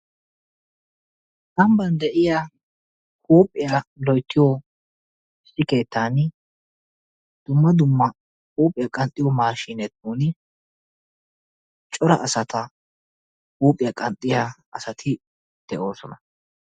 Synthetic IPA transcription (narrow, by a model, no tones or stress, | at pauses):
sɐmbɐnd̪ɛʔɪja | kuːpʼːɪjalɔjt̪ːɪjɔ | ɪsːɪke̞ːt̪ːaːn | d̪̥ʊmːɐd̪ʊmːɐ | kuːpʼːɪjakʼɐnt̪ʼːɪjɔmaːʃiːnɛt̪ːuːnɪ | t͡ʃʼɔɾɐ̰ʔɐsɐt̪ɐ | kuːpʼɪjɐkʼɐnt̪ʼːɪjaɐsɐt̪ʰɪ | d̪̥ɛʔo̞ːsɔnɐ